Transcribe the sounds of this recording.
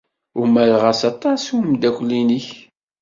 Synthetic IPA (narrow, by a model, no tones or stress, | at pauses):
ʊmælʁasɑt̪ˤːɑsumd̪ækʷːlːiniç